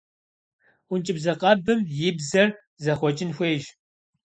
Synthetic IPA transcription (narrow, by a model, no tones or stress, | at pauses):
ʊnt͡ʃʼɪbzɐqɐbɨmjɪbzɐr | zɐχʷɔt͡ʃʼɪnxʷeːʒ